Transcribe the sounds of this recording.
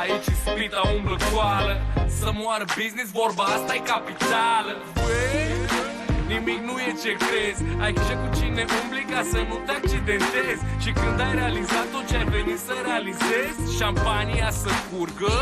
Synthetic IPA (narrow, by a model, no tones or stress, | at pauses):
ait͡ʃiskɾit̪laumbləkwaləsəmuaɾəbiznis̬vorbaast̪ajkapit̪alə | we | nimiknujet͡ʃe̞kɾe̞zʲajkeʃekut͡ʃineʔobliɡasənut̪eak̚t͡ʃid̪e̞nt̪e̞zʲʃikɨnd̪ajɾe̞alizat̪ːot̪̚t͡ʃeajve̞nit̪səɾealizezʲʃampaniasəkurɡə